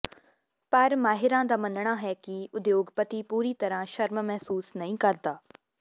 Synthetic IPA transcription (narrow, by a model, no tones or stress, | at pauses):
pɐɾmaːɦɪɾãd̪aːmɐ̃nəɽ̃aɦɛkiʊd̪joːɡpɐt̪ipuːɾit̪ɐɾãʃɐɾmmɛɦsuːsnɐɦĩːkɐɾd̪aː